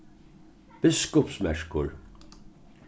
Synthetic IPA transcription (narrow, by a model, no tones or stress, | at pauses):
b̥ɪskɔpsmɛʂkʊɹ